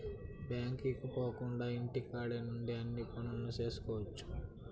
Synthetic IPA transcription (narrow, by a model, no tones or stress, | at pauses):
bjaːŋkikupoːkuɳɖaːiɳʈikaːɽenuɳɖiɐnːiːpunɐnːut͡ʃe̞ːsu̥kɔːʋɐt͡ʃːu̥